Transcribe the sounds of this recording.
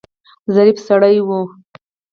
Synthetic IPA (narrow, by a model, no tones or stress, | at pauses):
zaɾifsaɽajwu